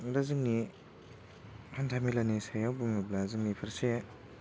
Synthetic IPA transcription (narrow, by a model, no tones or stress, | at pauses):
ɾazɯŋni | kʰantʰamilanisajawbuŋnɯblazɯŋnipʰaɾse